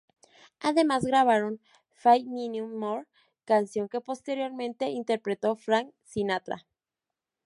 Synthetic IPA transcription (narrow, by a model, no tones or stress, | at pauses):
aðe̞mazɣɾaβ̞aɾo̞n | fajmĩnjumːoɾ | kansjo̞ŋke̞po̞st̪e̞ɾjo̞ɾmẽ̞nt̪e̞int̪e̞ɾpɾe̞t̪o̞fɾaŋsinat̪ɾa̰